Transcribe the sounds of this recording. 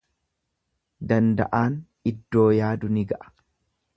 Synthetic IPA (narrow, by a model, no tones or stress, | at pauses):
d̪ɐnd̪ɐ̰ʔaːn | ɪd̪ːo̞ːjaːd̪ʊnɪɡɐʔɐ̥